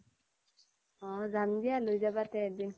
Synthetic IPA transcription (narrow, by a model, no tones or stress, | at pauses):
ɔ̃zandijalojzabatɛɛdin